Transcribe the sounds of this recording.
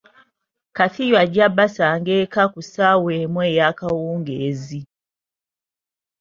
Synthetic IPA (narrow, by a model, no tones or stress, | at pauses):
kaθijwad͡ʒabasaŋɡɛkakusawɛmwɛjakawuːŋɡɛzi